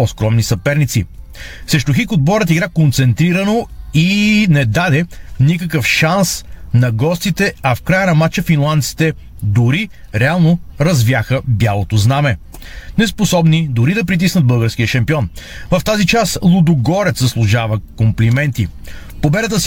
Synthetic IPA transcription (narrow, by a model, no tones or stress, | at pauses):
ɔskɾɔmnisɐpɛɾnit̪sḭ | sɛʃt̪ʊxikʊd̪̚bɔɾət̪iɡɾakont̪sɛnt̪ɾiɾɐnoinɛd̪ad̪ɛnikəkəfʃansnɐɡɔst̪it̪ɛɐfkɾajənɐmat͡ʃəfinlˠant̪si̥t̪ɛ | d̪ʊɾi | ɾɛalˠnoɾɐzvjaxəbjalˠot̪oznamɛ | nɛsposɔbnid̪ʊɾid̪ɐp̬ɾit̪̬isnəd̪̚bɤlˠɡəɾsk̟ijəʃɐmpiɔnvɐft̪azit͡ʃaslˠud̪ʊɡɔɾɛt̪sɐslˠʊʒavɐkomplimɛnt̪ḭ | pobɛd̪ət̪əs